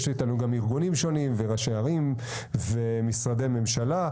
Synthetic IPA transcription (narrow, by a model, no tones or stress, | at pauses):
ʃitanuɡamiʁɡunimʃo̞nimveʁaʃeaʁim | vemisʁade̞jme̞mʃala